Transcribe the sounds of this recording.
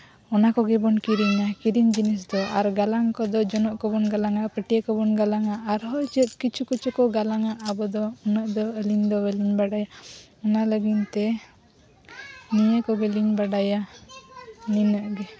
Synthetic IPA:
ɔnakɔɡɛbɔnkiɾiɲakiɾiɲd͡ʒinisd̪ɔʔaɾɡalaŋkɔd̪ɔd͡ʒɔnɔʔkɔbɔnɡalaŋapəʈijakɔbɔnɡalaŋaːɾɦɔd͡ʒət̪̚kit͡ʃʰukət͡ʃukɔɡalaŋaʔːbɔd̪ɔɔnəʔd̪ɔəliɲd̪ɔbəliɲbaɽaja | ɔnaləɡint̪ɛ | nijəkɔbeliɲbaɖaja | ninəʔɡɛ

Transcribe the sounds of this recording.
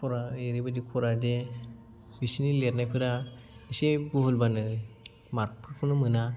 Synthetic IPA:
pʰɔɾaeɾibadikʰɔɾade | bisinilet̚najpʰɯɾa | isebuɦulbanɯ | maɾk̚pʰɯɾpʰɯnɯmɯna

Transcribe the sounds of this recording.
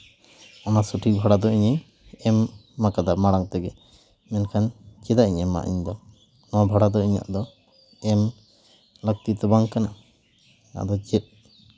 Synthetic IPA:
amasuʈʰibʱaɽad̪ɔiɲə | ɛmːakad̪amaɽaŋt̪ɛɡɛ | mɛnkʰant͡ʃɛd̪aʔiɲɛma̰ʔḭɲd̪ɔ | nɔabʱaɽad̪ɔiɲa̰ʔd̪ɔ | ɛm | lək̚t̪it̪ɔbaŋkana | na̰ʔd̪ɔt͡ʃɛt̪̚

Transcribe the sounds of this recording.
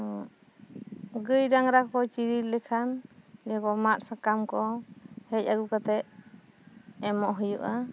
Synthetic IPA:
ɔ | ɡəjɾaŋɾakɔt͡ʃiɾilɛkʰanlɛkɔmat̪̚sakamkɔhɛcaɡukat̪ɛʔ | ɛmɔʔɦujuʔa

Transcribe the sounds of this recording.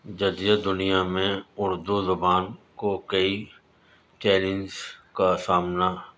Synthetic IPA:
d͡ʒɐd̪jad̪ʊnijamẽʊɾd̪uzʊbaːnkokəi | t͡ʃɛːlɪ̃ŋzkasaːmna

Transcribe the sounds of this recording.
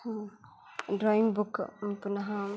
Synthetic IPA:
dɾɔjmbukpunaɦa

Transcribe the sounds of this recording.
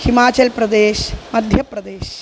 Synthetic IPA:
himaːt͡ʃɐlpɾɐd̪eːʃmɐd̪ʱjɐpɾɐd̪eːʃ

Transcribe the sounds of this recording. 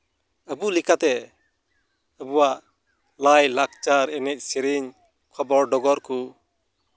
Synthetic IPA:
əbulikat̪ɛ | əbuwaʔ | lajlak̚t͡ʃaɾɛnɛc̚ˀsiɾiɲ | kʰɔbɔɾɖɔɡɔɾku

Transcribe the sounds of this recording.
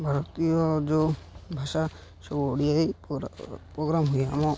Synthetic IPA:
bʱaɾɔt̪iɔd͡ʒobʱaʃa | sɔbuoɽiae | pɾoɡɾamɦujamɔ

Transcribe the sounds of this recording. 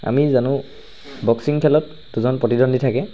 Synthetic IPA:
a̰mizanʊ | bɔksiŋkʰɛlɔt | duzɔnpɹɔtidɔnditʰakɛ

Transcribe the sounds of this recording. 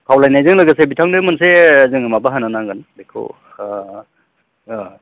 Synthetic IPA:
kʰawlajnajzɯŋlɯɡasebitʰaŋdemansezɯŋɯmabaɦananaŋɡɯnbekʰo̰

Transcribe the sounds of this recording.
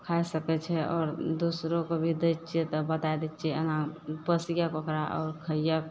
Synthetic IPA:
kʰajsəkɛt͡ʃʰɛɔːɾd̪usɾõkobʱid̪ett͡ʃʰɛt̪ɔbət̪ajd̪ɛt͡ʃʰɛənãpəsijakokɾaʔɔːɾkʰəja

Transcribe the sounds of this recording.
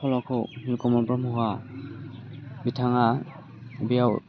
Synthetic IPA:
ɔlɔkʰɔknilkɔmɔbɹɔmɔɦa | bitʰaŋa | bijaw

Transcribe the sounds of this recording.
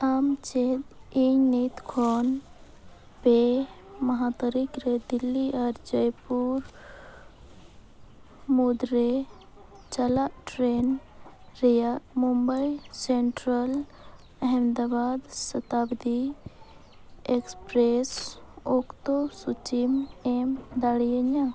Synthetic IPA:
amt͡ʃeɦd̪iŋnit̪kʰon | peməɦat̪əɾikɾed̪ilːiaɾd͡ʒəjpuɾ | mud̪ɾe | t͡ʃəlaʈɾenɾijamumbəjseɳʈɾəl | ɐɦɛmd̪abaːd̪sət̪abd̪i | ekspɾesokt̪osut͡ʃimemd̪aɽijeɲa

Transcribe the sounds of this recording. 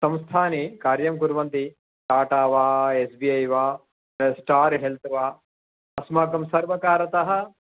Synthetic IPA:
sɐ̃mst̪ʰaːnikaːɾjɐmkuɾʋɐnt̪i | ʈaːʈaːʋaːesbiːɐjʋaː | sʈaːɾɦelt̪ʰʋaː | ɐsmaːkɐmsɐɾʋɐkaːɾɐt̪ɐɦɐ̆

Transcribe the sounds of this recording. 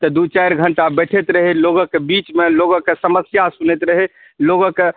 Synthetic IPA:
t̪ɔd̪ut͡ʃajɾɡʱəɳʈabɛʈʰet̪ɾəɦeloɡokebit͡ʃmeloɡokesəməsjasunet̪ɾəɦe | loɡoke

